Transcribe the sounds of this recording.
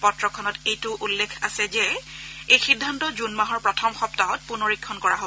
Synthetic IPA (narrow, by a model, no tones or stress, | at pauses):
pɔtɹɔkʰɔnɔtejtʊʔulːekʰasɛzɛejxidʱːantɔzunmaɦɔɹpɹɔtʰɔmxɔptaɔt̚punoɹikʰːɔnkɔɹaɦo